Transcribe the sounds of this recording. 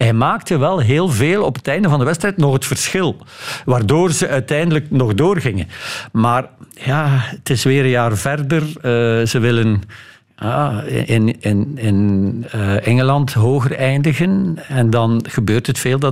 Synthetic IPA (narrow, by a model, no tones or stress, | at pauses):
ɦɛjmaːk̚təʋɛlˠɦeːlˠveːlˠɔpətɛjndəvɑndəʋɛtstrɛjtnɔxətfərsxɪlˠ | ʋaːrdoːrzəʔœɥtɛjndələknɔɣdoːrɣɪŋənmaːrjaːətɪsʋɪːɾənjaːrvɛrdərəːzəʋɪlən | ja̰ːɪnɪnɪnəʔɛŋəlɑntɦoːɣərɛjndəɣənɛndɑnɣəbøːrtɦətfeːlˠdɑ